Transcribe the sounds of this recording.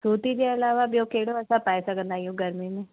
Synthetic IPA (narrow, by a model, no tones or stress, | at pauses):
suːt̪id͡ʒeɐlaːʋabjoːkeːɽoɐsapaːjsaɡə̃nd̪aːjũɡɐɾmimẽ